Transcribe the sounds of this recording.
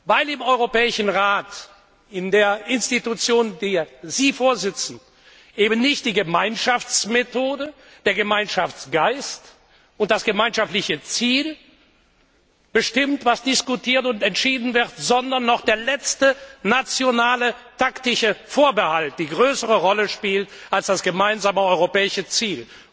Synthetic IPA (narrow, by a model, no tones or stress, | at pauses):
vaɪlɪmɔʏʁopɛːɪʃn̩ʁaːt | ɪndeːɐɪnstitut͡sjoːndiːziːfoːɐzɪt͡sn̩ | ʔeːbn̩nɪçt̚d̥iːɡəmaɪnʃaft͡smetʰoːdə | d̥eːɐɡəmaɪnʃaft͡sɡ̥aɪst | ʊnt̚d̥asɡ̥əmaɪnʃaftlɪçət͡siːl | b̥əʃtɪmtv̥asd̥ɪskutʰiːɐtʊntɛntʃiːdn̩vɪʁtz̥ɔndɐnːɔχd̥eːɐlɛt͡stənat͡sjonaːlətʰaktɪʃəfoːɐbəhalt̚d̥iːɡʁøːsəʁ̞əʁɔləʃpiːltʔalsd̥asɡ̥əmaɪnzaːməɔʏʁopɛːɪʃət͡siːl